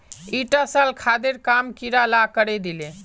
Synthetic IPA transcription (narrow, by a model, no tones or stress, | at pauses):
iʈasalkʰad̪eɾkamkiɾalakəɾɛd̪ile